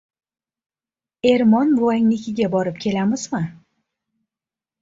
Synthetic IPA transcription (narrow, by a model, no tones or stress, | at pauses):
e̞ɾmɒnbʊaŋʲnɪkʲʰɪɡʲabɒɾɪp̚kʲʰe̞lamɪzmɪ